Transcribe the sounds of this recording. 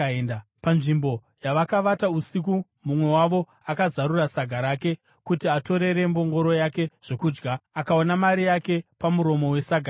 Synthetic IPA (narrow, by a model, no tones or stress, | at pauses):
endapanʐimbo̞ | jaʋakaʋatausik̬u | mumwe̞waʋo̞ | akazaɾurasaɡʱaɾake̞ | kutiato̞ɾe̞ɾe̞mbo̞ŋɡo̞ɾo̞jake̞ʐ̥e̞kuːd͡ʒɡaakao̞namaɾijake̞pamuɾo̞mo̞we̞saɡʱa